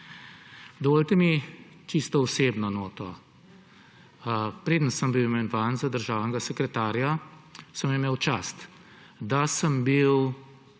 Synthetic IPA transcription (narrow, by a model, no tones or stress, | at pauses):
d̪ɔʋoːlʲt̪ɛmi | t͡ʃist̪ɔɔseːbnɔnoːt̪ɔ | pɾeːd̪ənsəmbiwimɛnʋaːnzad̪əɾʒaːʋnɛɡasɛkɾɛt̪aːɾjasəmɛmeːwt͡ʃaːst̪ | d̪asəmbiw